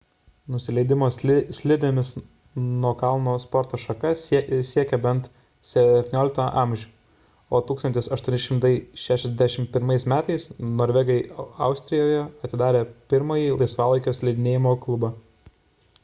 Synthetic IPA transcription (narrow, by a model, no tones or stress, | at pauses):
nʊsʲɪlʲɛɪd̪ʲɪmoːssʲlʲɪd̪ʲemʲɪs | nuɔkɑlˠnoːspɔɾt̪oːʃɐkɐssʲiɛkʲɛbʲɛnt̪ | sʲɛt̪ʲɪnʲoːlʲɪkt̪ɐʔɑmʲʒʲʊː | oːt̪uːkst̪ɐnt̪ʲɪsɐʃt̪uɔnʲɪʃʲɪmt̪ɐɪʃʲæːʃʲɛzd̪ʲæʃʲɪmpʲɪɾmɐɪsmʲæːt̪ɐɪsnoːɾʲʋʲɛɡɐɪɑʊsʲt̪ʲɾʲɪjoːjɛɐt̪ʲɪd̪ɑːɾʲeːpʲɪɾmɐjiːlˠɐɪsʋɑːlˠɐɪkʲoːsʲlʲɛɪd̪ʲɪnʲeːjɪmoːklˠʊbɐ